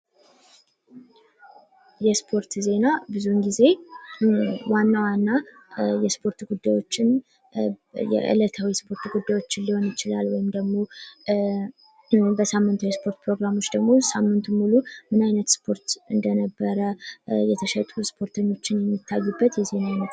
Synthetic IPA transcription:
jɛspʰo̞ɾt̪ze̞nabɨzuɨnɡize̞ | wanːawanːa | jɛspʰo̞ɾt̪uɡud̪ːajwo̞t͡ʃːɪn | jɛ̰ʔɨ̰lət̪ʰawispʰo̞ɾt̪uɡud̪ːajwo̞t͡ʃːɪnliho̞njɪt͡ʃɪla̰lwɔjɪmd̪əɡmo̞ | bəsamːɨnt̪ʰujɛspʰo̞ɾt̪̚pɾo̞ɡɾamo̞t͡ʃːd̪əɡmo̞samːɨnt̪ʰumːulumɨnajnət̪spʰo̞ɾt̪ɨnd̪ənəbːəɾəjɛt̪ʰəʃət̪ʼuspʰo̞ɾt̪ʰəɲːo̞t͡ʃːɪnjɛmːit̪ʰːajːɨbːət̪jɛze̞nanət̪

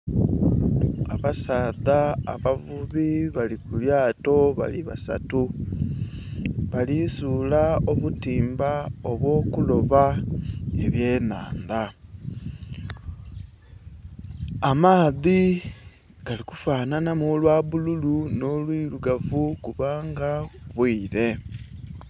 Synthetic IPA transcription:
aβasaːðaːβavuβiβalikuljaːto̞βa̰liβa̰sa̰tu | βalisuːlao̞βutiːmbao̞βwo̞ːkulo̞βa | eβje̞ːna̰ːnda | amaːði | ɡ̥aliku̥faːnanamulwaːβululuno̞lwiːluɡavukuβaːŋɡaβwiːɾe̞

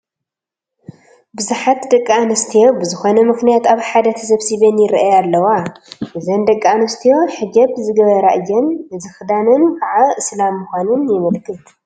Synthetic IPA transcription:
bɨzuħat̪d̪ɐkʼːaanɐst̪ʰijo̞bɨzɨxo̞nɐmɨxnijat̪aβħad̪ɐt̪ʰɐsɐβsiβɐnjɪɾʔajalːɐwaʔɨzɐnd̪ɐkʼːaanɐst̪ʰijo̞ħɨɡɐβzɨɡɐβɐɾaʔɨjːɛnzɨxɨd̪anɨnkʰaʕaʔɨslamːuxʷanɨnjɪmɨlkʰɨt̪

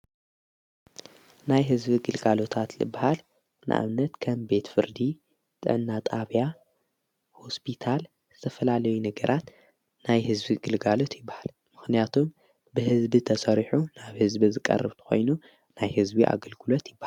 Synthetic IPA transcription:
najɦɨzbiɡɨlɡalo̞t̪ʰat̪lɨ̰bːahal | nɨ̰ʔa̰βnɐt̪kʰɐmbe̞t̪fɨɾd̪i | t̪ʼɨ̰ʕɨnːat̪ʼaβja | ho̞spʰit̪ʰal | zɨ̥t̪ʰɐfɐlalɐjunɨɡɐɾʔat̪ | najhɨzbiɡɨlɡalo̞t̪jɪbːahal | mɨxnijat̪ʰum | bɨhɨzbit̪ʰɐsɐɾiħunaβhɨzbizɨkʼːɐ̰rːɐβt̪ʰɨ̥xo̰jnu | najhɨzbiʔa̰ɡɐlɡɨlot̪jɪbːah

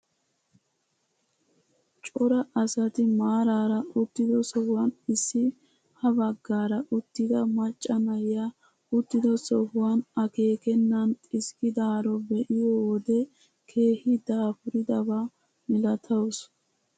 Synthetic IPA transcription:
t͡ʃʼɔɾɐʔɐsɐt̪ɪmaːɾaːɾɐʊt̪ːɪd̪ɔsɔhʊwɐnɪsːɪ | hɐbɐɡːaːɾɐʔʊt̪ːɪd̪ɐmɐt͡ʃʼːɐnɐja | ʊt̪ːɪd̪ɔsɔhʊwɐnɐke̞ːkɛnːɐnt̪ʼɪskɪd̪aːɾɔbɛʔɪjɔwɔd̪ɛ | kʰe̞ːhɪd̪aːfʊɾɪd̪ɐba | mɪlɐt̪ʰɐws

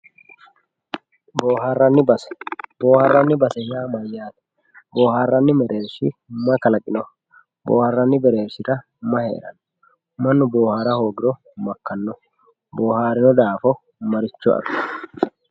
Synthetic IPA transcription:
boːɦarːɐnːɪbɐsɛ̥bo̞ːhɐrːɐnːɪbɐsɛjaːmɐjːaːt̪ɐ̥ | bo̞ːhaːrːɐnːɪmɛɾʔeːɾʃɪ̰mɐkɐlɐkʼɪnɔ | bo̰ːhɐrːɐnːɪbɛɾeːɾʃɪɾɐ | mɐhḛɛ̰ɾɐ̰nɔ | mɐnːʊbo̞ːhaːɾɐho̞ːɡɪɾɔ | mɐkːɐnːɔ | boːhaːɾɪnɔd̪aːfɔ | mɐɾɪt͡ʃːɔʔɐ̰s

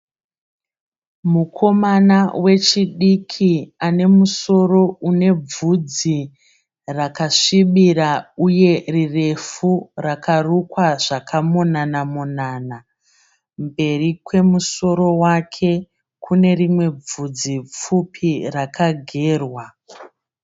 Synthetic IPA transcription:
mukʰo̞manawe̞t͡ʃiɗikʰiane̞muso̞ro̞une̞b͡vud͡zi | rakaʂiɓiɾauje̞rire̞furakarukwaʐ̥akʰamonanamonaːna | mbe̞rikwe̞muso̞ɾo̞wakʰe̞ | kʰune̞rimwe̞b͡vud͡zip͡fupʰirakʰaɡʱe̞ːrwa

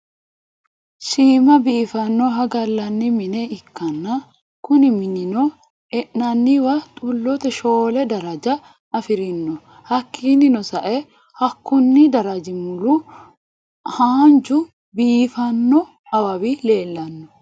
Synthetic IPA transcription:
ʃiːmɐbiːfɐnːɔɦɐɡɐlːɐnːɪmɪnɛɪkːɐnːɐ | kʊnɪmɪnɪnɔ | ɛʔnɐnːiwɐt̪ʼʊlːɔt̪ɛʃo̞ːlɛd̪ɐɾɐd͡ʒɐ | ɐfɪɾɪnːɔ | hɐkːiːnɪnɔsɐʔɛ | hɐkːʊnːɪd̪ɐɾɐd͡ʒɪmʊlu | haːnd͡ʒʊ | biːfɐnːɔ | ɐbɐbile̞ːlːɐnːɔ̥

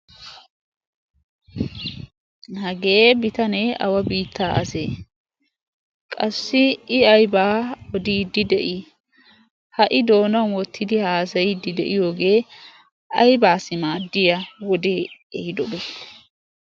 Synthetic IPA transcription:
hɐɡe̞ːbɪt̪ɐnɛʔɐ̰wɐbiːt̪ʰːaːʔɐ̰sḛː | kʼɐsːɪɪɐjbaːɔd̪iːd̪ɪd̪ɛʔɪ | hɐʔɪd̪o̞ːnɐwwɔt̪ʰːɪd̪ɪhaːsɐjɪd̪ːɪd̪ɛ̰ʔɪjo̞ːɡe̞ː | ɐjbaːsɪmaːd̪ːɪjɐwɔd̪eːɛhɪd̪ɔbe̥ː

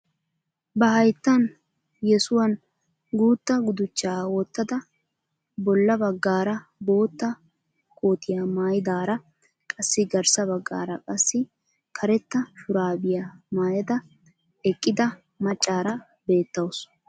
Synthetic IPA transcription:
bɐhɐjt̪ːɐn | jɛsʊwɐn | ɡuːt̪ːɐɡʊd̪ʊt͡ʃːaːwɔt̪ːɐd̪ɐ | bɔlːɐbɐɡːaːɾɐbo̞ːt̪ːɐ | kʰʼoːt̪ɪjamaːjɪd̪aːɾɐ | kʼɐsːɪɡɐɾsɐβɐɡːa̰ːɾɐkʼɐsːɪ | kʰɐɾɛt̪ːɐfʊɾaːbɪjamaːjɐd̪ɐ | ɛkʼːɪd̪ɐ | mɐt͡ʃʼːaːɾɐ | beːt̪ːɐws

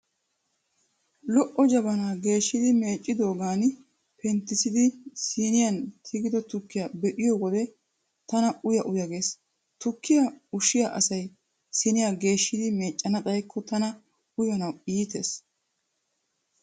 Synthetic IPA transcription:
lɔʔɔd͡ʒɐbɐnaːɡe̞ːʃːɪd̪ɪme̞ːt͡ʃʼːɪd̪o̞ːɡaːn | pɛnt̪ːɪsɪd̪ɪsiːnɪjɐnt̪ʰɪɡɪd̪ɔt̪ʊkːɪjɐbɛʔɪjɔwɔd̪ɛ | t̪ɐnɐʊjɐʔʊjɐɡeːs | t̪ʊkːɪjɐʊʃɪjaʔɐsɐj | sɪnɪjaɡe̞ːʃːɪd̪ɪme̞ːt͡ʃʼːɐnɐt̪ʼɐjkʰːɔt̪ɐnɐ | ʊjɐnɐwiːt̪ḛːs

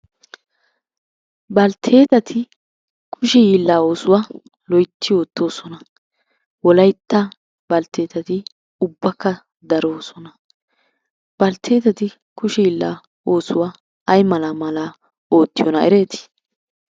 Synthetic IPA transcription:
bɐlt̪ʰe̞ːt̪ɐt̪ʰɪ | kʰʊʃɛjiːlːaːo̞ːsʊwaː | lɔjt̪ːɪjo̞ːt̪ːo̞ːsɔnɐ | wɔlɐjt̪ːɐ | b̥ɐlt̪ʰe̞ːt̪ɐt̪ɪ | ʊbːɐkːɐ | d̪ɐɾo̞ːsɔnɐ | b̥ɐlt̪ʰe̞ːt̪ɐt̪ɪ | kʊʃɛjiːlːa̰ː | oːsʊwaː | ɐjmɐlaːmɐlaː | o̞ːt̪ːɪjɔnɐɛɾe̞ːt̪ɪ̥

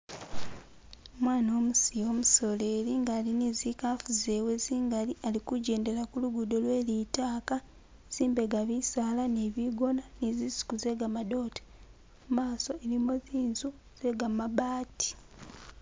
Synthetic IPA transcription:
mwaːno̞ːmusijo̞ːmuso̞leːɾiŋɡalinizikafuze̞we̞ziːŋɡalialikuɟe̞ːnde̞lakuluɡudo̞lwe̞ːlitaːka | z̥iːmbe̞ɡaβisaːlaneβiɡo̞nanizisi̥kuze̞ɡamado̞ːte̥ | umaːso̞eɾimoziːnzu | z̥e̞ɡamaβaːti̥

